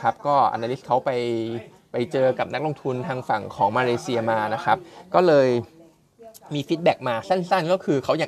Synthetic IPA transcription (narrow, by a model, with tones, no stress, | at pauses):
kʰa˦˥p̚kɔː˥˩ʔa̰˧naː˧li˦˥s̚kʰa˦˥wpa˧j | pa˧jt͡ɕɤː˧ka˨˩p̚na˦˥k̚lo˧ŋt̪ʰu˧nt̪ʰaː˧ŋfa˨˩ŋkʰɔː˩˦ŋmaː˧leː˧si˧ɐmaː˧na˦˥kʰɾa˦˥p̚kɔː˥˩lɤː˧j | miː˧fi˦˥t̪̚bɛː˨˩k̚maː˧sa˥˩nsa˥˩nkɔː˥˩kʰɯː˧kʰa˦˥wja˨˩